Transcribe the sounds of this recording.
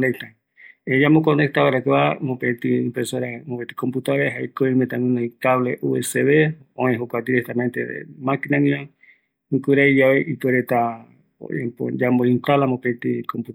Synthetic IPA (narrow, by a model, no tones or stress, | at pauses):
nek̚t̪a | ed͡ʒamokonek̚t̪aβaɾakeβamopet̪iḭmpɾesoɾamopet̪i̥komput̪aɾeɦajkoimet̪aŋũnajkaβleʔueseβe | õẽɦokʷad̪iɾek̚t̪ament̪ḛḛmakinaŋĩo | ŋkuɾaid͡ʒaβeʔipeɾet̪a | o̰ḛpo̰d͡ʒamboint̪alamopet̪ikomput̪